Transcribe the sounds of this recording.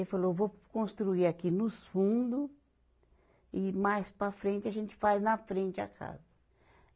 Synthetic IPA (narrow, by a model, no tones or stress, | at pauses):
efalovokõst̪ɾuiɾakinʊsfũd̪ʊ | ɪmajspɾɐfɾẽnt͡ʃɪaʒẽnt͡ʃɪ̥fajznɐfɾẽnt͡ʃɪa̰kʰa̰zɐ